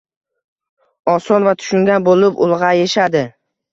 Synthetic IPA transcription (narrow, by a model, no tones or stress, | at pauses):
ɒsɒnvat̪ʰʊ̥ʃʊŋɡʲanbolɪpʊ̰lˠʁɑjeʃad̪ɪ